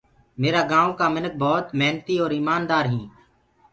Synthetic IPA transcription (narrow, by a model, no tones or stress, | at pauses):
meːɾaːɡãːʋõːkaːmɪnək̚bɔːt̪mɛːnt̪iːoːɾiːmaːnd̪aːɾɦĩː